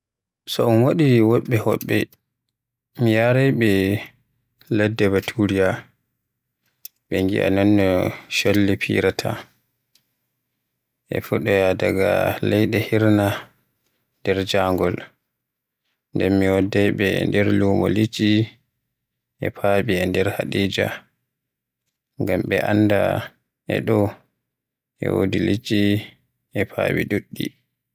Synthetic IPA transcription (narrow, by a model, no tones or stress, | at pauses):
sɔɔnwaɗiwɔɓːɛhɔ̰ɓːɛ | mijaɾɛjɓɛ | ladːɛbatʰuɾija | ɓɛŋɡḭʔa̰nɔnːɔʃolːipʰḭɾatʰa̰ | ʔɛ̰fuɗɔjadaɡa̰lɛjɗɛhiɾna | ndɛɾd͡ʒaŋɡɔl | ndɛnmiwɔdːɛjɓɛndɛɾluːmɔlid͡ʒi | ʔɛpʰaɓiɛndɛɾhaɗiːd͡ʒa̰ | ŋɡamɓɛʔanːda | ʔɛ̰ɗɔ | ʔɛ̰wo̰dilid͡ʒi | ʔɛpʰa̰ːɓḭɗuɗːi